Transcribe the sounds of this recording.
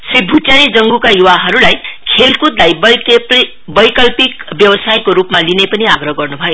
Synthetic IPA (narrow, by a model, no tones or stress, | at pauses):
sribʱutjanid͡zʌŋɡukajuwaɦʌɾulajkʰelkut̪lajbp | bʌjkʌlpikbjʌwʌsajkoɾupmalinepʌniaɡɾʌɦɡʌrnubʱʌjo